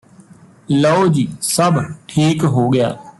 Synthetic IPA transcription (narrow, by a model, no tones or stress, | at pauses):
ləoːd͡ʒiːsəbʈʰiːkɦoːɡɪja̰ː